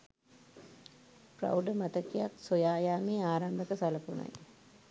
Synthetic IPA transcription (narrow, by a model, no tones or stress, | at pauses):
prɐ̰wɖəmɐt̪ɐkːijaksojaːjaːmeːaːɾambʱɐkɐsɐlɐpunɐ̰j